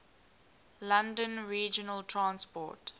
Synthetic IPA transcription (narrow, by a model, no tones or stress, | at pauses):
lãndə̃nɹiːd͡ʒənəltʰɹãnspɔ̰ːt